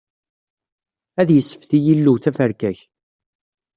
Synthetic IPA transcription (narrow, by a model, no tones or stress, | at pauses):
æðjəsːə̥fθijilːuwt͡sːæfəɾkæç